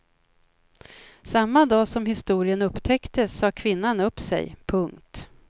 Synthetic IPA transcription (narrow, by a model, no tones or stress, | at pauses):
samːad̪ɑːsɔmhɪst̪uːɾɪənɵpːt̪ʰɛkt̪əsːɑːkʰvɪnːanɵpsɛ̰jpʰɵŋkt̪